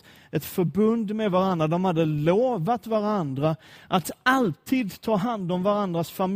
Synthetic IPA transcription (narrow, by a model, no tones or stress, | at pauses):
ɛt̪fœɾbɵnd̪mɛd̪vaɾand̪ɾad̪ɔmhad̪ːəloːvat̪vaɾand̪ɾaʔat̪alt̪ʰiːd̪t̪ʰɑːɦand̪ɔmvaɾand̪ɾasfam